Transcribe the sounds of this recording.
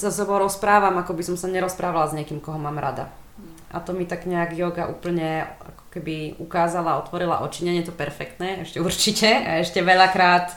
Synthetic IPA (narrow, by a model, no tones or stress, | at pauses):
zasɛbɔʊɾɔspɾaːʋamakɔbisɔmsaɲɛɾɔspɾaːʋalazɲɪɛkiːmkɔɦɔmaːmɾʔa̰d̪a̰ | ʔa̰t̪ɔmit̪aɡɲɛaɡjɔɡaʔuːpl̩ɲɛa̰kɔ̥kɛbiukaːzalaɔt̪ʋɔɾila̰ʔɔt͡ʃiɲɛɲɪɛt̪ɔpɛɾfɛkt̪nɛːɛʃcɛuɾt͡ʃicɛaɛʃcɛʋɛʎakɾaːt̪